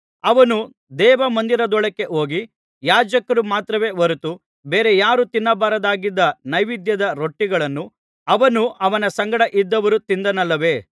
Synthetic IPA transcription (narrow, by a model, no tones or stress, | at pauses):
ɐʋɐnu | d̪ɛːʋɐmɐnd̪iɾɐd̪ɔɭɐkːe̞ʔo̞ːɡi | jaːd͡ʒɐkːɐɾumaːt̪ɾɐʋe̞ːʋɐɾut̪ːu | beːɾe̞jaːɾut̪inːɐbaːɾɐd̪aːɡid̪ːɐnɐjʋid̪jɐd̪ɐɾoʈːiɡɐɭɐnːu | ɐʋɐnuʔɐʋɐnɐsɐŋɡɐɽɐʔid̪ːɐʋɐɾut̪ind̪ɐnɐlːɐʋe̞ː